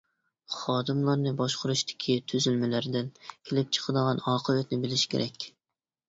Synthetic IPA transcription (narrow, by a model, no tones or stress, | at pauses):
χɑːd̪ɨmlˠɑɾnɨbɑʃqʰʊɾuʃt̪ʰɪ̥kʲʰit̪ʰyzylmɪlæɾd̪ɪnkʲʰelɪp̚t͡ʃʰə̥qʰəd̪əʁɑnɑːqʰəvɛt̪nɪbɪlɪʃkʲʰḛɾʔɛkʲ